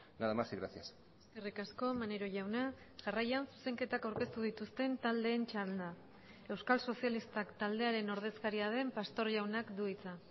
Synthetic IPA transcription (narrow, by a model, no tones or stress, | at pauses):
naðamasiɣɾasias | eske̞rikasko̞maneɾo̞ʝawna | ʝarajansu̥se̞ŋke̞t̪akawɾke̞st̪uð̞it̪ust̪e̞nt̪ald̪e̞ːnt͡ʃalna | e̞wskalso̞sialist̪akt̪ald̪e̞aɾe̞no̞ɾð̞e̞skaɾiað̞e̞mpast̪o̞ɾʝawnakd̪uit͡sa